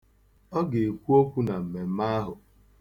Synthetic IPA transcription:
ɔ˦ɡe˨e˨kʷu˦o˦kʷu˦na˨m̩˨me˨m̩˦ma˦ɦʊ˨

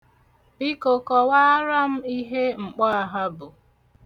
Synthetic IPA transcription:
bi˦ko˨kɔ˨wa˦a˦ɾa˦m̩˦i˦ɦe˦ŋ͡m̩˨k͡pɔ˦a˨ɦa˦bʊ˨

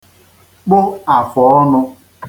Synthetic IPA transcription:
k͡pʊ˦a˨fɔ˨ɔ˦nʊ˧

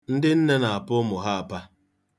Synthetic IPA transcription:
n̩˦dɪ˦n̩˦ne˦na˨a˨pʊ˦mʊ˨ɦa˦a˨pa˦

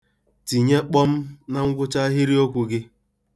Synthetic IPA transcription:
ti˨ɲe˦k͡pɔ˦m̩˦na˦˨ŋ̩˦ɡʷʊ˦t͡ʃa˦ɦɪ˦ɾi˦o˦kʷu˨ɡɪ˦

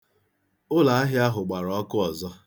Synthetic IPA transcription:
ʊ˦la˨a˦ɦɪ˦a˦ɦʊ˨ɡ͡ba˨ɾɔ˨ɔ˦kʊ˦ɔ˨zɔ˦

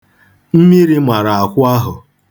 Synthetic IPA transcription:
m̩˦mi˦ɾi˦mʷa˨ɾa˨a˨kʷʊ˦a˦ɦʊ˨

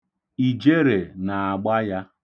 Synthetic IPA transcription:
i˨d͡ʒe˦ɾe˨na˨a˨ɡ͡ba˦ja˦

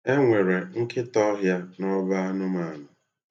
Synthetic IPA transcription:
e˦ŋʷe˨ɾe˨ŋ̩˦kɪ˦tɔ˦ɦja˦nɔ˦ba˦a˦nʊ˦ma˨nʊ˨

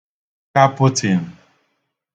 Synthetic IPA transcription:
ka˦pʊ˦tʰi˨n̩˨

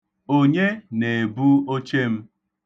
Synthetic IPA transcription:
o˦ɲe˦ne˨bu˦o˦t͡ʃe˦m̩˦

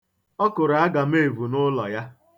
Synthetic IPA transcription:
ɔ˦kʊ˨ɾa˨a˦ɡa˨m̩˦e˦˨vu˨nʊ˦lɔ˨ja˦

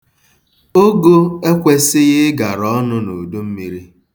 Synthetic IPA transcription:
o˦ɡo˦e˦kʷe˦sɪ˦ɣɪ˦ɡa˨ɾɔ˦nʊ˦no˨du˦m̩˦mi˦ɾi˦

